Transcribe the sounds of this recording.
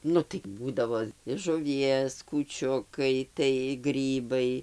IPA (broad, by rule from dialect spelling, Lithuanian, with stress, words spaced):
ˈnʊ tɐɪ ˈbuːdɐʋoː ɪʃ ʒʊˈʋʲiɛs kuːˈt͡ʃʲʊkɐɪ tɐɪ ˈɡrʲiːbɐɪ